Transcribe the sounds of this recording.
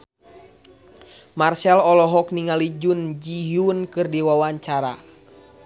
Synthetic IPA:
marsɛlɔlɔɦɔk̚niŋalid͡ʒund͡ʒiɦunkɨrdiwawaɲt͡ʃaɾa̰

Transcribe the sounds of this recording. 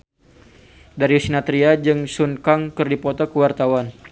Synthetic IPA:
daɾiusinat̪ɾiad͡ʒɨŋsunkaŋkɨrdipɔt̪ɔkəwart̪awan

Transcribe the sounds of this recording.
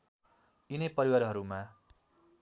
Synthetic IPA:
inʌjpʌɾiwaɾɦʌɾumã

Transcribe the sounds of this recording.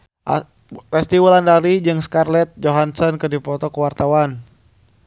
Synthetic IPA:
rɛst̪iwulandaɾid͡ʒɨŋskarlɛt̪̚d͡ʒɔɦansɔnkədipɔt̪ɔkəwart̪awan

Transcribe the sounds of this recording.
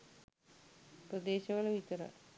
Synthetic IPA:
prɐd̪eːɕɐʋɐɭeʋit͡ɕɐɾɐ̰

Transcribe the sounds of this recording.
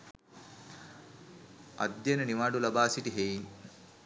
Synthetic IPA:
ɐ̰d̪jɐnɐniʋaːɖulɐbaːsit̪iɦej

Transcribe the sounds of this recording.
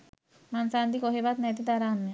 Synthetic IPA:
mansand̪ikoɦebat̪nat̪id̪aɾanma

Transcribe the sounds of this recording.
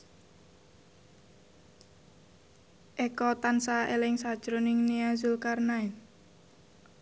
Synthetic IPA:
ʔekɔt̪ansaelɪŋsad̥ʒ̥ɾonɪŋniazulkarnai

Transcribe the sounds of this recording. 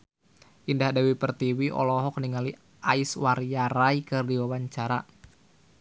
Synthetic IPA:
ʔindahdawipərt̪iwiʔɔ̰lɔɦɔk̚niŋali | ʔaɪswaɾjaɾaikɨrdiwawaɲt͡ʃaɾa

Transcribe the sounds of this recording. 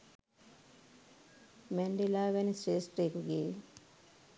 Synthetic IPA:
meɳɖilaːɡɐniseːsʈɾekuɡeː

